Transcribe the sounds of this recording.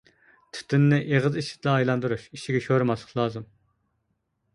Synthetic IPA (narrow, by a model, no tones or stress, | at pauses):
t̪ʰɪ̥t̪ʰɪnːɪʔeʁəziʃɪ̥t̪lˠɑːjlˠɑnd̪uɾuʃiʃiɡʲɛʃoɾɨmɑslˠə̥qlˠɑːzɨm